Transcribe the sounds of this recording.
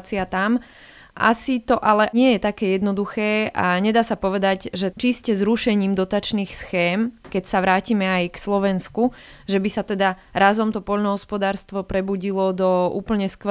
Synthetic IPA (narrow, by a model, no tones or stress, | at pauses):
t͡siat̪am | ʔa̰sit̪ɔʔalɛɲɪɛjɛt̪akɛːjɛd̪nɔd̪uxɛːʔaɲɛd̪aːsapɔʋɛd̪aɟʒɛt͡ʃiscɛzɾuʃɛɲiːmd̪ɔt̪at͡ʃniːxsxɛːmkɛcsaʋɾaːcimɛajkslɔʋɛnskuʒɛbisat̪ɛd̪aɾazɔmt̪ɔpɔʎnɔɦɔspɔd̪aːɾst̪ʋɔpɾɛbuɟilɔd̪ɔṵːpl̩ɲɛskʋ